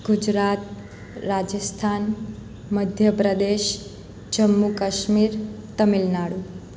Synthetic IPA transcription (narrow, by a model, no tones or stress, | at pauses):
ɡ̥ud͡ʒɾat̪̚ | ɾad͡ʒəst̪ʰan | məd̪ʱjəpɾəd̪eʃ | d͡ʒəmːukəʃmiɾ | t̪əmilnaɽu